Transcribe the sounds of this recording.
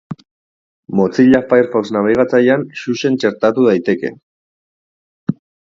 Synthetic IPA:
mo̞t͡siʎafajɾfoksnaβeɣat͡sajanʃuʃe̞nt͡ʃe̞ɾt̪at̪uð̞ajt̪e̞ke̞̰

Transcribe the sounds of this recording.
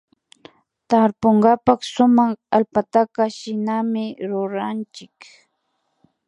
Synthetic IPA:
t̪aɾpoɴɢapɑχsʊmɑχalpat̪akaʃɪnamɪɾʊɾant͡ʃɪk

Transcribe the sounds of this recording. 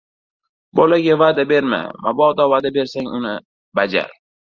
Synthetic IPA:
bolaɡʲavad̪abe̞ɾma̰mabɒd̪ɒvad̪abe̞ɾsaŋʊnɪ | bad͡ʒa̰ɾ

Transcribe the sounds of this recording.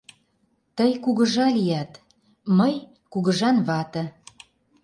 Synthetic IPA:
t̪əjkuɣə̆ʒɑlijɑt̪ | məj | kuɣəʒɑnβɑt̪ə̆

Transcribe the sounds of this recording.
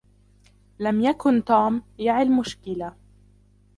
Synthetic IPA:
lamjakʊnt̪uːmjaʕɪlmʊʃkɪla

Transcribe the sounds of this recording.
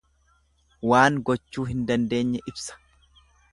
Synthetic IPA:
waːŋɡɔt͡ʃːuːɦɪnd̪ɐnd̪e̞ːɲːɛʔɪbsɐ̥

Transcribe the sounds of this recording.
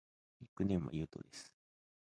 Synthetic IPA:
ikɯ̟nẽ̞mːa̰jɯ̟ːt̪o̞̰d̪esɨ̥

